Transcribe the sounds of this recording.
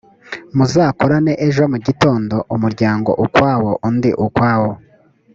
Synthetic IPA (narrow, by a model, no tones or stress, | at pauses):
muzaːkoɾane̞ʔeʒo̞muɟito̞ːndo̞ʔumuɾɟaːŋɡo̞̰ʔukwaːwo̞ʔundiʔukwaːwo